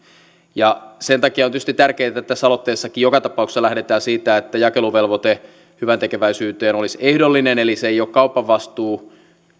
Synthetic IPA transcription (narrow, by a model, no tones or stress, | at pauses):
jɑsent̪ɑkiɑont̪yst̪it̪t̪ærkeːt̪æt̪ːæsːɑlot̪ːeːsːɑkijokɑt̪ɑpɑuksːɑlæhdet̪æːsiːt̪æet̪ːæjɑkeluʋelʋot̪e | hyʋænt̪ekeʋæisyːt̪eːnolisehdolːineneliseijoːkkɑupːɑʋːɑst̪uː